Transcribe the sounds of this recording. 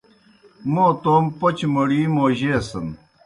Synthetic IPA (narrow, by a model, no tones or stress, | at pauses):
moːt̪oːmpot͡ɕmɐɽiːmoːʑeːsɐn